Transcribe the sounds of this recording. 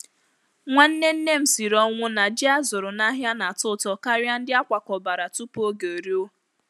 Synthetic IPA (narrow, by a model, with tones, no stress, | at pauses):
ŋʷa˦n̩˦ne˦n̩˦ne˦m̩˨si˨ɾɔ˦ŋʷʊ˦na˨d͡ʒɪ˦a˦zʊ˨ɾʊ˨na˦ɦja˦na˨tʊ˦tɔ˦ka˦ɾja˦n̩˦dɪ˦a˦kʷa˨kɔ˨ba˨ɾa˨tu˦po˦ɡe˨o˨ɾi˦o˦